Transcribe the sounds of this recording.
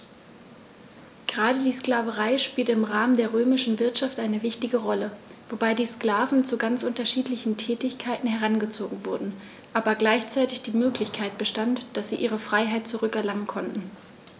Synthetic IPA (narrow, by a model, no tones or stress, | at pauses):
ɡ̥əʁaːdədiːskl̥aːvəʁaɪʃpiːltəɪmʁaːməndeːɐʁøːmɪʃn̩vɪɐtʃaftʔaɪnəvɪçtɪɡəʁɔləvobaɪdiːsklaːvn̩t͡suɡant͡sʔʊntɐʃiːtlɪçn̩tʰɛːtɪçkʰaɪtn̩ɦɛʁanɡət͡soːɡŋ̩vʊɐdn̩ | ʔaːbɐɡlaɪçt͡saɪtɪçd̥iːmøːklɪçkʰaɪt̚b̥əʃtantd̥asz̥iːʔiːʁ̞əfʁ̥aɪɦaɪt̚t͡suʁʏkɛɐlaŋənkʰɔntn̩